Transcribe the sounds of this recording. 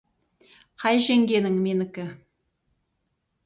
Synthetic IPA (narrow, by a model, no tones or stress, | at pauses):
qʰɑjʒeŋɡʲe̞nɪŋmenɪkʲɪ